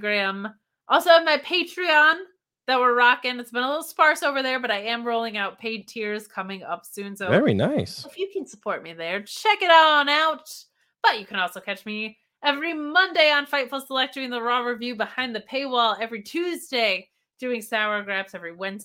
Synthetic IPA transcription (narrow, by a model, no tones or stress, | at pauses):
ɡɹæ̃m | ʔɔlˠsoʊɨ̃vmaɪpʰeɪt͡ʃɹ̥iɑ̃n | ðɨt̚wə˞ɹɑkɨ̃nɨtsb̥ɨ̃nəlɪɾl̩ˠspɑɹsoʊvə˞ðə˞bʌɾaɪɨ̃mɹoʊlˠɪ̃ŋaʊt̚pʰeɪd̚tʰɪɹz̥kʰʌmɪ̃ŋʌ̰psʉ̃nsoʊvɛɹḭnaɪsfjɨkʰɨ̃nsəpʰɔɹt̚miðə˞t͡ʃʰɛkɨɾaʊɾn̩aʊt̚ | b̥ʌt͡ʃɨkʰɨ̃ñɔlˠsoʊkʰæt͡ʃmi | ɛvɹimʌ̃ndeɪə̃nfaɪtfl̩ˠsəlɛk̚tʉɪ̃ŋðəɹɔɹɨvjʉbəhãɪ̃nðɨpʰeɪwɔlˠɛvɹitʰʉzdeɪ | d̥ʉɪ̃ŋsaʊə˞ɡɹæpsɛvɹiwɛ̃nz